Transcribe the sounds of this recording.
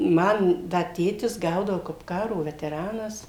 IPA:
ˈmɐn ˈdɐ ˈtʲeːtʲɪs ˈɡɐʊdɐʋoː kɐp ˈkɑːroː ʋʲɛtʲɛˈrɑːnɐs

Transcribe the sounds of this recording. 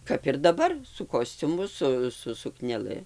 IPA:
ˈkɐp ɪr dɐˈbɐr sʊ ˈkoːsʲt͡sʲʊmʊ ˈsʊ sʊ sʊknʲɛˈlˠɨ

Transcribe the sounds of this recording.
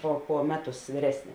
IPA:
poː poː ˈmʲæːˌtʊs ʋʲiːˈrʲæːsʲnʲɪ

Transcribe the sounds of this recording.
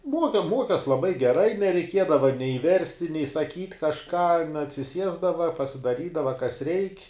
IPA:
ˈmuɔkʲɛ ˈmuɔkʲɛs lˠɐˈbɐɪ ɡʲɛˈrɐɪ nʲɛrʲɛɪˈkʲiɛdɐʋɐ nʲɛɪ ˈʋʲɛrʲsʲtʲɪ nʲɛɪ sɐˈkʲiːtʲ kɐʃˈkɑː ɐtʲsʲɪˈsʲiɛzdɐʋɐ pɐsʲɪdɐˈrʲiːdɐʋɐ kɐs rʲɛɪkʲ

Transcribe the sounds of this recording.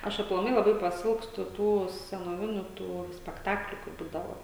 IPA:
ˈɐʃ ɐplˠɐˈmɐɪ lˠɐˈbɐɪ pɐˈsʲɪlˠkstʊ ˈtuː sʲɛnoːˈʋʲɪnʲʊ tuː sʲpʲɛkˈtɑːklʲʊ kɐɪ ˈbuːdɐʋoː

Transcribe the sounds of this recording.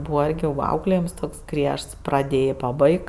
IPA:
ˈbuːʋɐ ˈɪrʲɡʲɪ ʋɐ ˈɐʊklʲeːjɪms ˈtoːks ˈɡrʲiɛʃts prɐˈdʲeːjeː pɐˈbɐɪk

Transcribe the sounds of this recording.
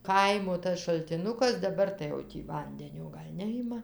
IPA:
ˈkɐɪmoː tɐs ʃɐlʲtʲɪˈnʊkɐs dɐˈbɐr tɐɪ jɛʊ ˈtʲiː ˈʋɐnʲdʲɛnʲoː ˈɡɐlʲ ˈnʲæːjɪmɐ

